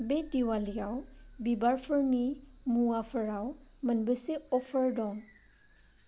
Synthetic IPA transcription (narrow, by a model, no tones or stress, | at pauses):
bediwalijawbibaɹpʰəɹnimuapʰəɹawmənbəseɔfʰəɹdɔ̃